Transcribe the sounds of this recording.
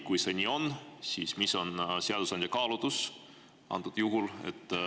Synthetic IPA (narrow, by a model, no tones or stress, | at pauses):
kujse̞nʲiːo̞nːsiːsmiso̞nseɑd̪̥usɑnʲd̪ʲjɑkɑːlud̪̥us | ʔɑ̰nt̪ːud̪̥juɦulḛt̪ː